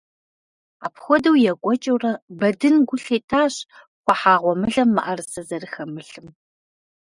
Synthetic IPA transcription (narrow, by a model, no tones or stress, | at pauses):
aːpxʷɔdɐwjɛkʷʼɔt͡ʃʼɐwrɐbɐdɨnɡʷʊɬeːtʰaːɕ | χʷɔħaːʁʷɔmɨɮɐmːɨ̰ʔɐrsɐzɐrɨxɐmɨɬɨm